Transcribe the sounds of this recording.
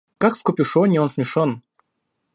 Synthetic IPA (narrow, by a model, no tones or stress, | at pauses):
kakskʊpʲɪʂonʲionsmʲɪʂon